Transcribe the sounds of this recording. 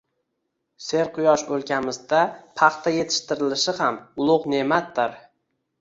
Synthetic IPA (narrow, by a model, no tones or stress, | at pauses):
se̞ɾqʰʊjɒʃolˠkʲamɪzd̪apʰɑχt̪ʰaje̞t̪ʰɪ̥ʃt̪ɪɾɪlɪʃɪhamʊlˠʊqne̞mat̪d̪ɪɾ